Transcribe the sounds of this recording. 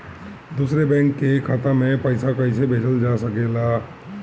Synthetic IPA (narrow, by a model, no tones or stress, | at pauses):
d̪uːsɾebɛ̃ːŋkːekʰat̪amẽpəɪsakəɪsebʱeːt͡ʃəld͡ʒasəkela